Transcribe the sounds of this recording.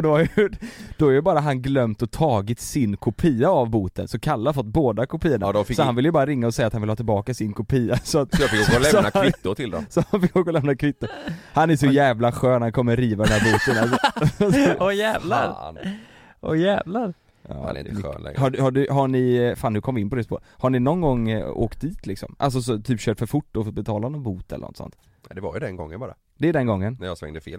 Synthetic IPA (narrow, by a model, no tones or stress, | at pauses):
d̪ɔaɾjd̪̥ɔæɾjəbɑːɾaɦanɡlœmt̪ɔt̪ʰɑːɡɪt̪sɪnkʰʊpʰiːaːvbuːt̪ə̰nsɔkʰalːahaɾfɔt̪ːboːd̪akʰʊpʰiːəɳad̪ɔfsɔhanvɪljəbɑːɾaɾɪŋːaɔsɛjat̪hanvɪlhɑːt̪ɪlbɑːkaɪsɪnkʰʊpʰiːasɔat̪sjfɪkɔɡlɛsnakʰvɪt̪ːʊt̪ʰɪld̪ɔ̰msɔanfɪkɔɡɔlɛmnakʰvɪt̪ːʊɾhanæɾʂɔjɛːvlaɧøːnhankʰɔmːəɾiːvad̪ɛnæːɾbuːt̪ənassɔɔjɛːvlaɾ | ʔɔ̰jɛːvlaɾ | ɑ̰ːɪ̰nø̰ːnlɛ̰ŋhaɖhaɖɵɦaɳɪfaːnːʉkʰɔmvɪnpɔd̪ɛspo̰ːɾhaɳɪnɔnɡɔŋːo̰ːkt̪̚d̪iːt̪ʰlɪksɔ̰mʔa̰ls̬ɔs̬ɔt̪ʰyːpɕøːʈfœɾfʊʈːɔfɔt̪̚bɛt̪ʰɑːlanɔnbuːt̪ɛlə̰nɔ̰t̪ːsɔ̰nt̪ | nɛd̪ɛva̰jʉd̪ɛnɡɔ̰ŋːə̰nbɑːɾa̰ | d̪ɛæɖɛnɡɔŋːənnɛjasvɛ̰ŋd̪əfḛːl